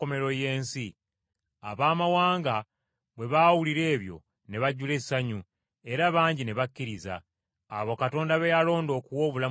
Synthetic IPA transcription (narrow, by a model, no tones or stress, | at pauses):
ome̞ɾo̞je̞ːnsi | a̰βaːmawaːŋɡa | βwe̞βawuliɾe̞ːβjo̞̰ | ne̞βaɟule̞ssaɲu | e̞ɾaːβaːɲɟineβakːiɾiza̰ː | βo̞kato̞ːndaβejalo̞ːndo̞ːkuwo̞ːβula